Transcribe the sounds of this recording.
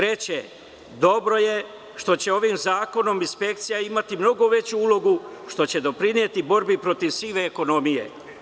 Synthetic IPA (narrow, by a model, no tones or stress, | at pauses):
ɾe̞t͡ɕe | d̪o̞bɾo̞je̞ | ʃt̪o̞t͡ɕe̞o̞ʋimzaːko̞no̞minspe̞kt̪sijaimat̪imno̞ɡo̞ʋe̞t͡ɕuulo̞ɡuʃt̪o̞t͡ɕe̞d̪o̞pɾinijet̪ibo̞ɾbipɾo̞t̪iʋsiːʋeːko̞no̞mijḛ